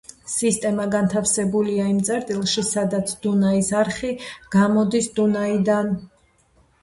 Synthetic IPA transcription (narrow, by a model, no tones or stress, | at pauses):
sist̪ʼɛmaɡant̪ʰafsɛbuliaimt̪sʼɛɾt̪ʼilˠʃisad̪at̪sʰd̪unaisaɾχiɡ̥amɔd̪isd̪unaid̪an